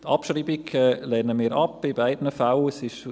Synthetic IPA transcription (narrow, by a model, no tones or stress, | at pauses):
t̪ʰɑ̰pʃriːbiɡɛlɛːnəmiːɾɑpːɪbaɪdnəfalsɪʃ